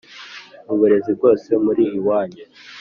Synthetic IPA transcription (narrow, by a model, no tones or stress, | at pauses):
uβuɾe̞zib̚ɡo̞ːse̞muɾiːjiwaːɲe